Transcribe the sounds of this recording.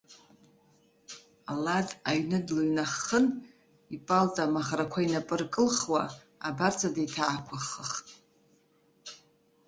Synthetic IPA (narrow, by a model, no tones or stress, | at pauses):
alazaɥnɨdluɥnaχən | ipʼalt͡sʼamaχrakʷʰainapʼɨrkʼɨlχwa̰ | a̰bart͡sʰʼadejtʰaːkʷʰaχəχtʼ